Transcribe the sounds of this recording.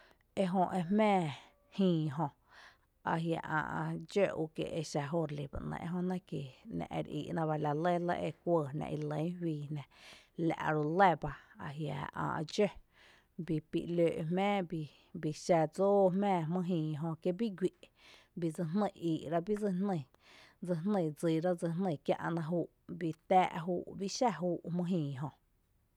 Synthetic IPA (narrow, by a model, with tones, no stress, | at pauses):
e˧ɦõ˧ʔe˧mmɛ̃ː˦˨ | hĩː˧˨ɦõ˧ | a̰˧ɦja̰˧ʔã̰ː˧˨ʔd͡ʒø˦˨ṵ˧kḛ˧˨ʔe˧ʃa˧ɦo˦ɾli˨ba̰˨ʔnə̰̃˧ʔḛ˧ɦõ˧nã˦ke˨nã̰˧ʔɾḭː˧˨ʔnã˧ba˧la˧le˦lə̰˦ʔe˧kʷəː˧˨nã̰˧ʔi˧lə̃˨˦hwiː˧nã˨la̰˨ʔɾu˧le˦˨ba˧a˧ɦja̰˨ã̰ː˧˨ʔd͡ʒø˦˧ | bi˧pḭ˧˨ʔløː˧˨ʔmmɛ̃ː˦bi˧ | bi˧ʃa˧d͡zoː˦mɛ̃ː˦˧˨mɨ̃˦˧ɦĩː˨ɦõ˧kje˧bi˦ɡʷi˧˨ʔ | bi˧d͡zɨ˧nnə̃˧˨iː˨ʔɾa˦bi˦d͡zə˧nnə̃˧˨ | d͡zə˧nnə̃˧˨d͡zi˧˨ɾa˦d͡zə˧n̥nə̃˧˨kja̰˧ʔnã˧ɦuː˦ʔbi˧t̪æː˦ʔɦuː˦˧˦ʔbi˦ʔʃa˦ɦuː˦ʔmɨ̃˧ɦĩː˧˨ɦõ˧